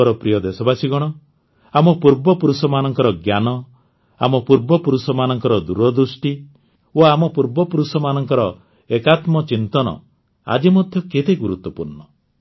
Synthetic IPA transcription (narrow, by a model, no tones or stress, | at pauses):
ɔɾɔpɾijɔd̪esɔbasiɡɔɽ̃ɔ | amɔpuɾbɔpuɾusɔmanɔŋkɔɾɔɡjanɔ | a̰mɔpuɾbɔpuɾusɔmanɔŋkɔɾɔd̪uɾɔd̪ɾusʈi | oamɔpuɾbɔpuɾusɔmanɔŋkɔɾɔ | ekat̪mɔt͡ʃint̪ɔnɔ̰ | a̰d͡ʒimɔd̪ʱjɔket̪eɡuɾut̪wɔpuɾnɔ